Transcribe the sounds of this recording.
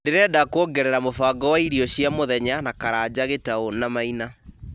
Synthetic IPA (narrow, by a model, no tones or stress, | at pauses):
deɾɛdakwoɡɛɾɛɾamofaːɡɔwaiɾiɔɕjamoðɛɲanakaɾaːd͡ʑaɣetaonamaina